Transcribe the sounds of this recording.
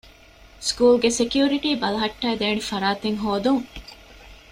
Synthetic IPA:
skuːlɡesekjuːɾiʈiːbɐlɐɦɐʈːæːd̪eːnifɐɾaːt̪eŋɦoːd̪uŋ

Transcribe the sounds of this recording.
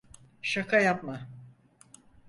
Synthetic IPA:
ʃakʰajapma

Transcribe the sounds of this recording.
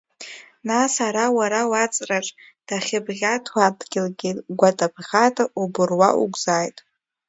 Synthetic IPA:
nasaɾawaɾawat͡sʼraʈ͡ʂʼ | d̥aχʲɪbʁʲatʰwadɡʲɪlɡʲiɡʷatʼabʰʁʲatʰʼaubɨrwa̰ʔṵɡʷʼzaːjtʼ

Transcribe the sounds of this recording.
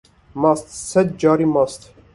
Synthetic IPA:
mɑst̪ʰsɛd̪̚d͡ʒɑɾimɑst̪ʰ

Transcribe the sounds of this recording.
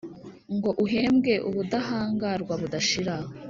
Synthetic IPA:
ŋɡo̞ʔuɦe̞ːmɡe̞ʔuβudaɦaːŋɡaɾɡwaβudaʃiɾa

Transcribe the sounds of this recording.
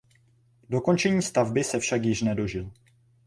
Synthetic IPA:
do̞ko̞nt͡ʃɛɲiːst̪avbɪsɛfʃakjɪʃnɛdo̞ʒɪl

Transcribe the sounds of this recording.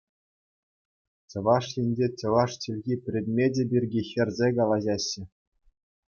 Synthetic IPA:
t͡ɕɤ̆ʋɑʂjĭnʲd͡ʑet͡ɕɤ̆ʋɑʂt͡ɕilʲɣʲipʲrʲed̪ʲmʲedʲebʲirʲɡʲixʲɘ̆rʲzʲekɑlˠɑʑɑɕːɘ̆

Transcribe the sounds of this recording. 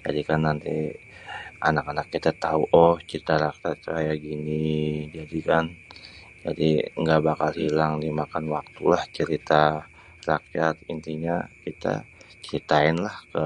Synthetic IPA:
d͡ʒa̰dikanːant̪i | a̰nakanakːit̪at̪auʔɔht͡ʃəɾit̪aɾakjat̪̚t͡ʃuɦajaɡinid͡ʒadikan | d͡ʒa̰diŋɡabakalhilaŋdimakanwak̚t̪ulaht͡ʃəɾit̪a | rakijat̪̚int̪iɲakit̪a̰ | t͡ʃəɾit̪aɪnlahkə

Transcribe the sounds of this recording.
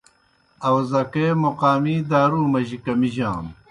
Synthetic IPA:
ɐwzɐkeːmoqaːmiːd̪aːɾuːmɐʑikɐmiʑaːn

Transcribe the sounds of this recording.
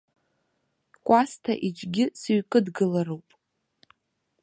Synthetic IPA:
kʷʼastʰa̰ʔid͡ʒʷʰʼɡʲɪsɥkʼɨdɡɨlarowpʼ

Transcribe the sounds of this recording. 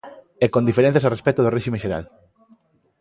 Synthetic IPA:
ɛkõnd̪ifeɾẽn̟θjasarespɛt̪ʊðoreʃimẽʃeɾa̰l

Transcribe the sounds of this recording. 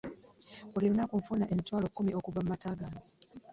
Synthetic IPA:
uliɾonakuɱfunaʔemitwaːlokːumiʔokuvamumataːɡani

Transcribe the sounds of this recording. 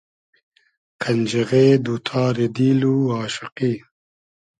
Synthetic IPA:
kʰɐnd͡ʒeɣeːd̪ut̪ʰaːɾed̪iːluaːʃɪqi

